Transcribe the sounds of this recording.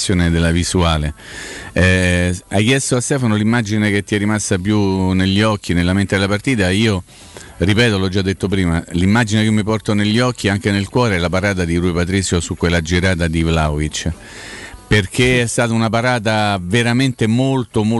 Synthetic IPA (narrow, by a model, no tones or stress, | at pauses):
joːned̪elːavisuaːle | ɛajk̟jɛst̪oast̪ɛːfanolimːad͡ʒinek̟et̪ːiɛrːimasːapjuneʎːiɔk̟ːinelːament̪ed̪elapart̪iːt̪aiːo | ripɛːt̪olɔd͡ʒːad̪ːet̪ːopɾiːmalimːad͡ʒinekmːipɔrt̪oneʎːiɔkʰːiaŋk̟enelkwɔːɾeɛlapaɾaːt̪̬ad̪iɾuːepat̪̬ɾit̪sːjosukwelːad͡ʒiɾaːt̪̬ad̪ivlaovit͡ʃː | perk̟eɛst̪aːt̪aunap̬aɾaːt̪aveɾament̪emolt̪omo